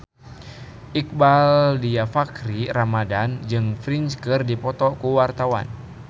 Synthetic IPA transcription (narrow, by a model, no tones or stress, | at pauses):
ʔik̚baldiafakɾiramadand͡ʒɨŋfɾinskɨrdipɔt̪ɔkuwart̪awa̰n